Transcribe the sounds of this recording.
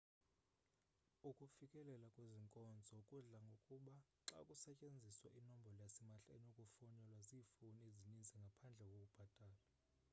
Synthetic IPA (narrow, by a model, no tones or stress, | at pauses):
ukʼufikʼɛlɛlakʼweziŋkʼɔnd͡zʱɔkʼuɮaŋɡʱokʼuɓaǁa̰kʼusɛcʼend͡zʱiswaʔinɔmbʱɔlɔjasimaɬɛ̰nokʼufɔnɛlwaziːfunezinind͡zʱɛŋɡʱapʰand͡ɮʱɛkʼokʼub̥ʱad̥ʱaːla